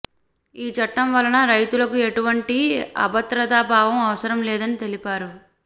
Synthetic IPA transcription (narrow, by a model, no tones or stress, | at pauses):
iːt͡ʃɐʈːɐmʋɐlɐnɐɾɐjt̪ulɐkue̞ʈuʋɐɳʈiɐ̰bɐt̪ɾɐt̪aːbʱaːʋɐmɐʋɐsɐɾɐmlɛːd̪ɐnit̪e̞lipaːɾu